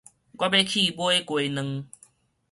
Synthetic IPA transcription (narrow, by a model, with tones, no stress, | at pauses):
ɡʷwa˦be˦kʰi˥˧˨bwo˦e˦kwe˧˨nə̃˧ŋ